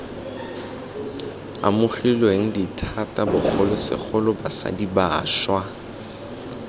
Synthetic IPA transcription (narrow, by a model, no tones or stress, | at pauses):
a̰mʊχilweŋ̩ditʰatʼabʊk͡xʰɔlɔsɪ̰k͡xʰɔlʊbasa̰diba̰ːʃwa